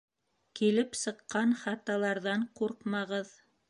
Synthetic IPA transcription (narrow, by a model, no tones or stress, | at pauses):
kilɘpsɤ̆qːɑnχɑt̪ɑlˠɑɾðɑɴquɾqmɑʁɤð